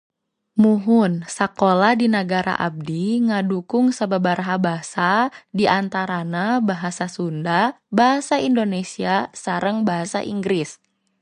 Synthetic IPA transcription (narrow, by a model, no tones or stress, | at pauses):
muɦʊnsakolahdinaɡaɾa̰ʔa̰b̚diŋadukʊŋsababaɾaɦabaɦasadiʔant̪aɾanabaɦasasunda | baɦasaindonesiasaɾəŋbaɦasa̰ʔḭŋɡɾis